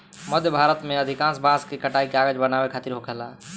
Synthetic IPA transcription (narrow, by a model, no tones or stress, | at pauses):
məd̪ʱjəbʱaɾət̪meəd̪ʱikãnsbãskekəʈaikeaɡəd͡ʒbənabekʰat̪iɾɦokɛla